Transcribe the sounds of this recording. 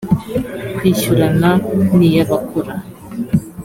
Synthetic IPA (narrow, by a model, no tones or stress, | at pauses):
kiːʃuɾananijaβakʰuɾa